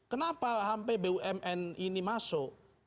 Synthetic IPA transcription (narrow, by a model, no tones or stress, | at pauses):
kənapaɦampebeuʔɛmʔɛninimaso